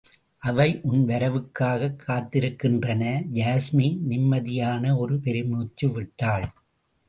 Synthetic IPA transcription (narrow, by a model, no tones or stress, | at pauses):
ʔɐʋɐɪʔʊnʋɐɾɐʋɯkːaːɣɐkʰːaːt̪ːɪɾɯkːɪndrɐnɐd͡ʒaːsminɪmːɐðɪjaːnɐɔɾɯpɛɾɪmuːt͡ʃːɯʋɪʈːaːɭ